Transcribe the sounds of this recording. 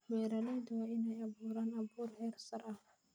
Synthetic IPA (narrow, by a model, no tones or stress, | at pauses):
wɛːɾɐnaːd̪wɑːʔɪnɛjɐβuːɾaːnɐβuːrʕɛːrsɐrʔɐh